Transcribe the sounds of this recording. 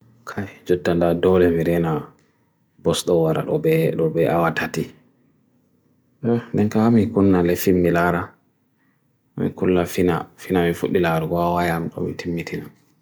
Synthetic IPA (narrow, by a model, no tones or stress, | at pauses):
kʰajd͡ʒɔtːandadɔlɛmiɾɛna | bɔsɗɔwaɾa̰ɗɔbɛɗɔbɛʔawatʰati | ɔndɛnkaamikunːalɛfimːilaɾa | mḭkulːafina̰finamifuɗːilaɾuɡɔawajamɗɔ̰mḭtʰimːitʰina